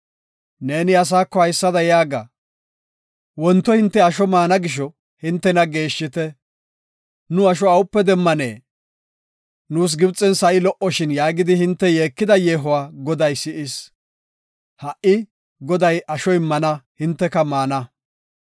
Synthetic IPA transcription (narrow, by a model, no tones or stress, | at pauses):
ne̞ːnɪɐs̬aːkːɔhɐjsːɐd̪ɐjaːɡa̰ | wɔnt̪ːɔhɪnt̪ːɛɐʃɔmaːnɐɡɪʃ̬ɔ | hɪnt̪ːɛnɐɡe̞ːʃːɪt̪ɛ | nʊɐʃɔɐwʊpːɛd̪ɛmːɐnḛː | nuːs̬ɡɪbt͡sʼːɛnsɐʔɪlɔʔɔʃɪnjaːɡɪd̪ɪhɪnt̪ːɛje̞ːkːɪd̪ɐjeːɦʊwaːɡɔd̪ɐjsɪʔɪs | hɐʔɪ | ɡɔd̪ɐjɐʃɔɪmːɐnɐhɪnt̪ːɛkɐmaːnɐ